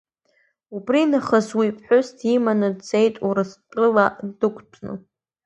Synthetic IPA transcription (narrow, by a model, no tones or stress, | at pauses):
ubrinaχazwipʰʼħʊstʰimanɨdt͡sʼejtʼuɾɨsqʼɨladɨkʷʰʼt͡sʷʰʼnɨ̰